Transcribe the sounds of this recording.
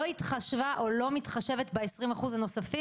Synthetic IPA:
oit̪χaʃvaʔo̞lo̞mitχaʃe̞ve̞tbeesʁimaχuzano̞safi

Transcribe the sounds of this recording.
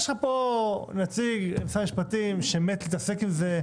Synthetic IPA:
ʃχaponat͡siɡemsamiʃpat̪imʃemet̪lit̪ase̞kimze

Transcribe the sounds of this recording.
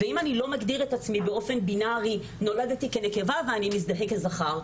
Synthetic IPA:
veimanilo̞maɡdiʁetat͡smibe̞o̞fenbinaʁi | no̞ladat̪ike̞ne̞ke̞vaveanimis̬d̪aɦe̞klezaχaʁ

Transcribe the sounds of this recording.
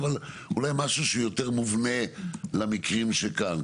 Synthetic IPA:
val | ṵlajmaʃuʃeujo̞t̪eʁmuvne̞lamikʁimʃekan

